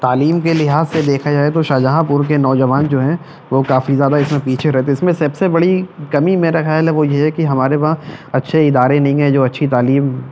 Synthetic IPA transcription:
t̪aːliːmkelɪɦaːzsed̪eːkʰad͡ʒaːet̪̬oʃaːd͡ʒaɦãpuːɾk̬enɔːd͡ʒɐʋaːnd͡ʒoːɦɛ̃ | ʋokaːfizjaːd̪aɪsmẽpiːt͡ʃʰeɾɛɦt̪ʰeɪsmẽsɐbsebɐɽikɐmimeːɾaxjaːlɦɛʋojeɦɛkiɦɐmaːɾebaãɐtːʃʰeɪd̪aːɾẽnɐɦĩɡɦɛ̃d͡ʒoːɐtːʃʰit̪aːliːm

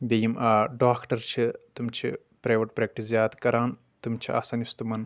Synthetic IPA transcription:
bʲejimʔaːɖaːkʈɐɾt͡ʃʰit̪umt͡ʃʰḭ | pɾaːʋɐʈpɾeːk̚ʈiszjaːt̪kɐɾaːn | t̪umt͡ʃʰia̰sɐnjust̪umɐn

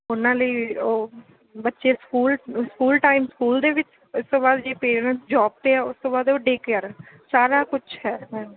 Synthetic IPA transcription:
ʊnãːləiːoː | bətːʃeːskuːlskuːlʈaːɪmskuːld̪eːʋɪt͡ʃ | ʊst̪õːbaːd̪d͡ʒeːpeːɾɾə̃nsd͡ʒɔːb̚peaːʊst̪õːbaːd̪oːɖeːkjəɾ | saːɾaːkʊt͡ʃʰhɛːmɛ̃ː

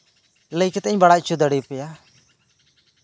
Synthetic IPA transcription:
ləjkɛt̪əɲbaɽat͡ʃʰud̪əɽipɛja

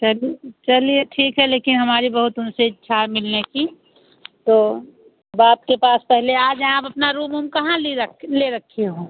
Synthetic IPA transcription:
t͡ʃɐlit͡ʃɐlieʈʰiːkɦɛleːkɪnɦɐmaːɾibɐɦʊt̪ʊnsetːʃʰaːmɪlneki | t̪oː | ɐbaːp̚kepaːspɛɦleaːd͡ʒaːpɐpnaɾuːmʊmkɐɦãleleɾɐkʰːeɦũː

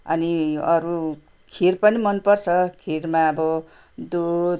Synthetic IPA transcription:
ʌ̰niʌɾu | kʰiɾpʌnimʌnpʌrt͡sʰʌkʰiɾmaʌbʌ | d̪u

